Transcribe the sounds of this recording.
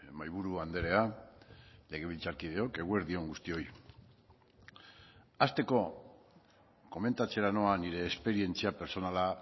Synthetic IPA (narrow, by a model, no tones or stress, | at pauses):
majβ̞uɾuand̪e̞ɾe̞a | le̞ɣ̞e̞β̞ilt͡saɾkið̞e̞o̞ke̞ɣue̞ɾðio̞ŋɡust̪io̞j | ast̪e̞ko̞ | ko̞me̞nt̪at͡se̞ɾano̞aniɾe̞ːspe̞ɾie̞nt͡siape̞ɾso̞nala